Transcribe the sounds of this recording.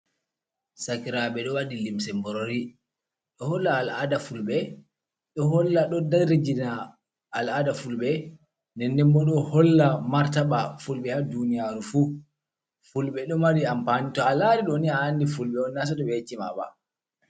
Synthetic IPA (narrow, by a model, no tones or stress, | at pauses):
sakiɾaɓɛɗɔwaɗilimsɛmbɔɾoɾi | ɗɔhɔlːaːladafulɓɛ | ɗɔɦɔlːaɗɔdaɾid͡ʒinaː | ladafulɓɛ | ndɛnːdɛmbɔɗɔhɔlːamaɾtaɓafulɓɛhadunijaɾufu | fulɓɛɗɔmaɾiampanitɔalaɾiɗɔniaːnːdifulɓɛɔnːas̬ɔdɔɓɛet͡ʃːima̰ba̰